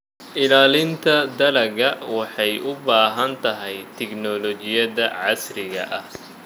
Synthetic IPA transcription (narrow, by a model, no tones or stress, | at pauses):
ʔɪlaːlɪnt̪ʰɐd̪ɐlɐɣɐwɑħɑjʔʊbaːɦɐnt̪ʰɐɦɛjt̪ʰɛɡnɔlɔt͡ʃɪjɐðɐʕɑsrɪɣɐ̰ʔɐh